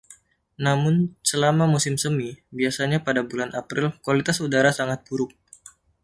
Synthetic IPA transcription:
namʊnsəlamamusɪmsəmibiasaɲapadabulanapɾɪlkwalit̪asudaɾasaŋat̪̚buɾʊk̚

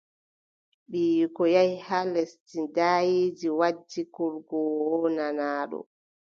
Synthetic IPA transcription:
ɓiːjkɔjajhalɛstidaːjiːd͡ʒiwad͡ʒːikɔlɡɔwɔnanaːɗɔ̰

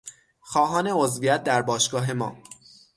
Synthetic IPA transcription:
xɒːɦɒːne̞ozvijæt̪̚d̪æɾbɒːʃɡ̥ɒːɦe̞mɒ̰ː

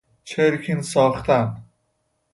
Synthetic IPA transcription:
t͡ʃʰeɾkʰinsɒːχt̪ʰæn

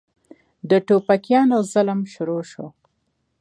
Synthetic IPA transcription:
d̪əʈopakjɑnozalmʃʊɾoʃo

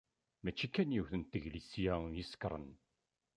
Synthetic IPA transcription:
mæt͡ʃːikːænjuθənt̪ːəʝlisjæjisə̥kɾˤə̰n

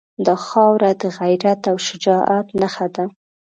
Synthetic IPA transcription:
d̪ɑxɑwɾad̪əɣajɾat̪awʃʊd͡ʒɑʔat̪naxad̪a

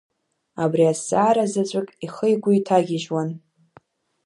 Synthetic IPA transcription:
abriasaːɾazat͡ɕʷʼakʼiχəjɡʷʊitʰaɡʲɪʒwan

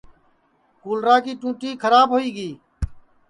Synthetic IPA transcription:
kuːlɾaːkiːʈũːʈiːkʰəɾaːbɦoːiːɡiː

